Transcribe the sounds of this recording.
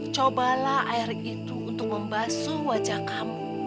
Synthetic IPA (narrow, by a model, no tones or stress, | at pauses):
t͡ʃobalaʔaɪrit̪uunt̪ʊk̚məmbasuwad͡ʒakam